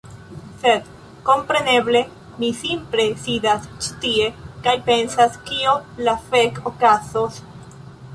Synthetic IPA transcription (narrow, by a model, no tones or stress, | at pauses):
se̞d̪ | ko̞mpɾe̞ne̞ble̞ | misimple̞sidast͡ʃi̥tie̞kajpe̞nsaskiolafekokazos